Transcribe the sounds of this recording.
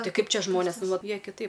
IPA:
ˈtɐɪ ˈkɐɪp ˈt͡ʃʲɛ ˈʒmoːnʲeːs ˈnʊ ˈʋɐt ˈjiɛ kʲɪˈtɐɪp

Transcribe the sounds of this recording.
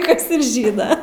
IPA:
ˈkɐs ɪr ˈʒʲiːnɐ

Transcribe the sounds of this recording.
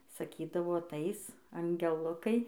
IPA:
sɐˈkʲiːdɐʋoː ɐˈtɐɪs ɐŋʲɡʲɛˈlˠʊkɐɪ

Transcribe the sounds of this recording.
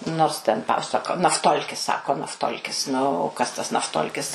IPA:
ˈnoːrs tʲɛn ˈpɑːsɐkoː nɐfˈtoːlʲkʲɪs ˈsɑːkoː nɐfˈtoːlʲkʲɪs ˈnʊ oː ˈkɐs tɐs nɐfˈtoːlʲkʲɪs

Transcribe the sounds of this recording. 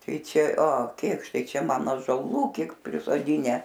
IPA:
ˈtɐɪ ˈt͡ʃʲɛ oː ˈkʲeːkʃtɐɪ ˈt͡ʃʲɛ ˈmɐn ɑːʒoːˈlˠuː ˈkʲiɛk pʲrʲɪsoːˈdʲɪnʲæː

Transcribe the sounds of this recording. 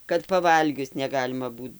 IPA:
kɐt pɐˈʋɐlʲɡʲʊs nʲɛˈɡɑːlʲɪmɐ ˈbuːt

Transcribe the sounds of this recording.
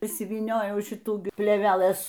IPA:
ɪʃʲsʲɪʋʲiːˈnʲoːjɛʊ ˈʃʲɪtuː pʲlʲeːʋʲɛˈlˠɘs

